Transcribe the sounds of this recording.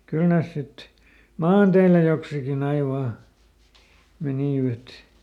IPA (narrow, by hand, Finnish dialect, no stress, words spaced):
kyl neˑs sit mɑːnteilæ joksikin ɑi ʋɑː meniˑʋæt